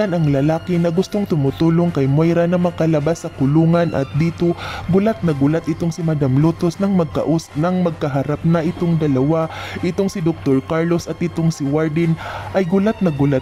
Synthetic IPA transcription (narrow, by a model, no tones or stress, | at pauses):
anɐŋlɐlaːkɪnɐɡʊst̪oŋt̪ʊmʊt̪uːloŋkɐjmojɾanɐmɐkɐlɐbasːɐkʊluːŋɐnʔɐ̰t̪̚d̪iːt̪oɡʊlat̪̚nɐɡʊlat̪ʔɪt̪oŋsɪmɐd̪amlot̪osnɐŋmɐɡ̚kɐ̰ʔʊsnɐŋmɐɡ̚kɐɦaɾap̚nɐʔɪt̪oŋd̪ɐlɐwaʔɪt̪oŋsɪd̪ok̚t̪oɹkaɹlo̞sɐt̪ɪt̪oŋsɪwaɹd̪ɪnʔɐjɡʊlat̪̚nɐɡʊlat̪